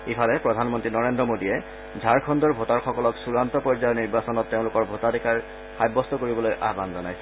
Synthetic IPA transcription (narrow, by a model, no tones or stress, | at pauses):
ipʰalɛpɹɔdʱanmɔntɹinɔɹendɔmodijɛ | zʱaɹkʰɔndɔɹbʱotaɹxɔkɔlɔksuɹantɔpɔɹzajɔniɹbasɔnɔtːeʊ̃lʊkɔɹbʱotadikaɹ | xajbːɔstɔkoɹibɔlojʔa̰banzɔnajsɛ